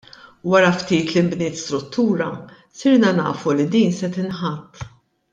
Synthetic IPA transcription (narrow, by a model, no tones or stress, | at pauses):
wɐɾɐft̪iːt̪lɪmbnɪːt̪st̪ɾʊt̪ːuːɾɐ | sɪɾnɐnɐ̰ːfulid̪iːnsɛt̪ɪnħɐt̪ː